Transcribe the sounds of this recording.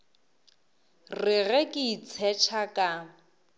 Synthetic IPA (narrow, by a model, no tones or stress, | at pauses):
rɪɣɛkʼɪit͡sʰɛt͡ʃʰakʼa